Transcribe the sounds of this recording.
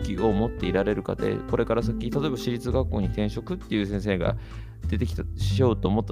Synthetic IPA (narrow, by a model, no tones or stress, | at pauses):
kʲio̞mo̞t̪ːe̞iɾaɾe̞ɾɯ̟ka̰d̪e̞̰ko̞ɾe̞kaɾasakʲit̪at̪o̞e̞baɕiɾʲit͡sɨɡakːo̞ːɲ̟it̪ẽ̞ɰ̃ɕo̞kɯ̟t̪ːe̞jiɯ̟ːsẽ̞ɰ̃s̬e̞ːɡa̰ | d̪̥e̞t̪e̞kʲit̪aɕijo̞ːt̪o̞ːmo̞t̪ːa